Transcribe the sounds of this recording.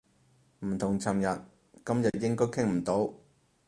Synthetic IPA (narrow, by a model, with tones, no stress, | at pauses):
m̩˨˩t̪ʰʊ˨˩ŋt͡sʰɐ˨˩mjɐ˨t̚ | kɐ˥mjɐ˨t̚jɪ˥ŋkɔː˥jkʰɪ˥ŋm̩˨˩t̪o˨˥w